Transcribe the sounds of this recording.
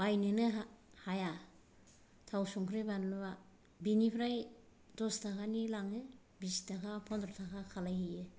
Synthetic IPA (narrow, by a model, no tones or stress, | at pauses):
bajnɯnɯɦahaja | tʰawsɔŋkʰɾebanlba | binipʰɾaj | dɔstʰakʰanilaŋɯ | bisitʰakʰapʰɔndɾɔtʰakʰakʰalajhije